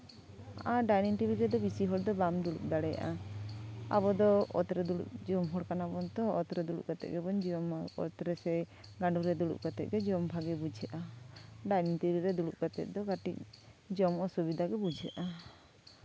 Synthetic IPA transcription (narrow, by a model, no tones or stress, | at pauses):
aɖajniŋʈibʱiɾɛd̪ɔbisiɦɔɽd̪ɔbamd̪uɽṵk̚d̪aɽɛja̰ʔa̰ | a̰bɔd̪ɔɔ̰t̪ɾɛd̪uɽṵkd͡ʒɔmɦɔɽkanabɔnt̪ɔɔ̰t̪ɾɛd̪uɽṵʔɡat̪ɛ̰ʔɡɛbɔnd͡ʒmaɔ̰t̪ɾɛsɛ | ɡaɳɖuɾɛd̪uɽṵʔɡat̪ɛ̰ʔɡɛd͡ʒɔmbʱaɡɛbud͡ʒʱɛʔaɖajniŋʈibʱiɾɛd̪uɽuʔ̚ɡat̪ɛ̰ʔ̚d̪ɔɡaʈḭk̚d͡ʒɔmɔsubid̪ʱaɡɛbud͡ʒʱɛʔa